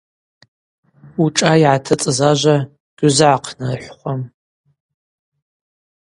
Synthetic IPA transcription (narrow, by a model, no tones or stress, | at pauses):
uʈ͡ʂʼaiʕatʰɐt͡sʼɨzaːʒʷɐ | ɡ̥ʷʊzɨʕaqʰnɨrħʷχʷɔm